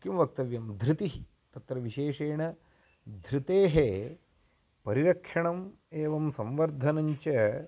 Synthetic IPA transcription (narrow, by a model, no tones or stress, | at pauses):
kjɐmɐʋɐk̚t̪ɐʋjɐmd̪ʱɾɪt̪iɦi | t̪ɐt̪ɾɐʋiʃeːʂeːɳɐ | d̪ʱɾit̪eːɦe | pɐɾiɾɐkʂɐɳɐm | eːʋɐmsɐmʋɐɾd̪ʱɐnɐɲt͡ʃɐ